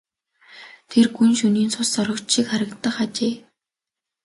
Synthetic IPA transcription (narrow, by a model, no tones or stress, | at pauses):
t̪ʰerɡunʃuniːnsʰʊsɔɾɞ̆kt͡ɕʃikχaɾə̆kt̪ːə̆χat͡ɕeː